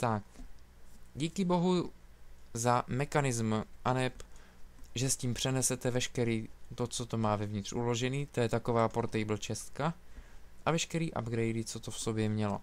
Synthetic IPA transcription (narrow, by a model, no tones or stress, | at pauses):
t̪ak | ɟiːkɪbo̞ɦu | zamɛxanɪzmʔanɛp | ʒɛsciːmpr̝̥ɛnɛsɛt̪ɛvɛʃkɛɾiːt̪o̞t͡so̞t̪o̞maːvɛvɲɪt̪r̥ʔulo̞ʒɛniːt̪ojɛt̪ako̞vaːpoɾt̪ɛjbl̩t͡ʃɛst̪ka | ʔavɛʃkɛɾiːʔa̰bɡɾɛjdɪt͡so̞t̪ofso̞bjɛmɲɛlo̞̰